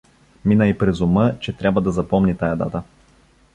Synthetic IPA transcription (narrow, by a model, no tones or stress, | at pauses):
minəipɾɛzʊmɤt͡ʃɛt̪ɾʲabvəd̪ɐzɐpɔmnit̪ajɐd̪a̰t̪ə